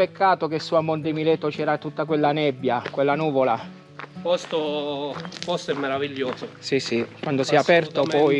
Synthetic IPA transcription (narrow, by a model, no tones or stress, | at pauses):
pekʰːaːt̪okesːuamːond̪imilɛt̪ːot͡ʃɛːɾat̪ːut̪ːakwelːanɛbːjakwelːanuːvola | pɔst̪o | pɔst̪oɛmːeɾaviʎːoːzosisikwand̪osiɛapɛrt̪opɔj